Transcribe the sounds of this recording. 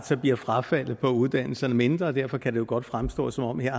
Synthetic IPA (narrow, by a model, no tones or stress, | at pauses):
sʰɐb̥liɐfʁafæl̰ð̩ˠpʰɒ̽uðˠd̥æn̰l̩sɐnəme̝nd̥ʁɐːd̥æɐ̰fɒ̽kʰæd̥e̝jo̝ɡ̥ɒ̽d̥fʁamsd̥ɔ̰̽ːsɒ̽mɒ̽mheɐ̰